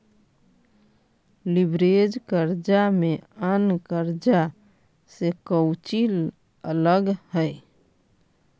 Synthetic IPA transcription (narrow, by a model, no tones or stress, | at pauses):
libɾed͡ʒkəɾd͡ʒameənkəɾd͡ʒa | sekəwt͡ʃil | ələɡhəj